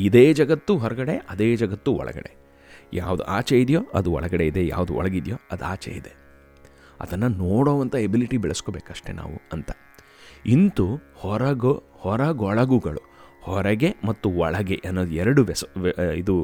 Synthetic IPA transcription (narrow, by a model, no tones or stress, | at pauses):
id̪eːd͡ʒɐɡɐt̪ːuɦɔɾɐɡɐɽeɐd̪e̞ːd͡ʒɐɡɐt̪ːuɔ̰ɭɐ̰ɡɐ̰ɽe | jaːʋud̪ṵʔa̰ːt͡ʃeid̪jo̞ːɐd̪uɔ̰ɭɐɡɐɽeid̪eja̰ːʋud̪uɔ̰ɭɐɡid̪jo̰ːɐd̪aːt͡ʃḛid̪e̞ | ɐ̰d̪ɐnːɐnoːɽoːʋɐnt̪ʰɐebiliʈibɛɭɐskobeːkɐʂʈena̰ːʋṵɐnt̪ɐ̥ | int̪uhɔɾɐɡo | hɔɾɐɡɔɭɐɡuɡɐɭu | hɔɾɐɡe̞mɐt̪ːuɔɭɐɡe̞ʔɐnːoːd̪uɛɾɐɽuʋɛsid̪u